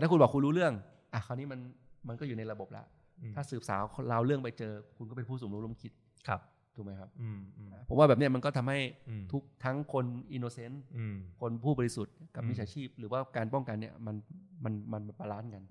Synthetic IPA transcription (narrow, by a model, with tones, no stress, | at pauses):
t̪aː˥˩ku˧nbɔː˨˩ku˧nɾuː˦˥lɯ˥˩əŋ | ʔa˧˩kʰa˧wniː˦˥ma˧nma˧nkɔː˥˩juː˨˩na˧jɾa˧bo˨˩p̚la̰˨˦ʔ̪ʰ | aː˥˩sɯː˨˩p̚sa̰ː˩˦wlaː˧wlɯ˥˩əŋp̬a˧jt͡ɕɤː˧kʰu˧nkɔ˥˩pe˧pʰuː˥˩suː˨˩mlo˦˥lŋkʰi˦˥t̪̚ | kʰa˦˥p̚ | d̪ʰma˦jkʰa˦˥p̚ʔaː˩pʰːo˩˦waː˥˩ɛ˨˩p̚ni˥˩ɐma˧nkɔː˥˩t̪ʰa˧mha˥˩jt̪ʰu˦˥k̚t̪ʰa˦˥ŋkʰo˧nʔi˧noː˧se˦˥nkʰo˧npʰuː˥˩ɔː˧li˧˥su˨˩t̪̚ka˨˩pmi˦˥sʰaː˩˦t͡ɕʰiː˥˩p̚ɾɯː˩˦waː˥˩kaː˧npɔ˥˩ŋka˧nːi˦˥˩ɐma˧nma˧nma˧na˧˩pa˧laː˦˥nka˧n